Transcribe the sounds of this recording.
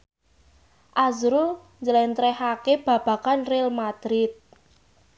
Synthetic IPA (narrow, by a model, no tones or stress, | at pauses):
ʔazɾu | ɲd͡ʒəlɛnt̪ɾɛhakeb̥ä̤b̥ä̤kanrelmad̪̥ɾɪt̪̚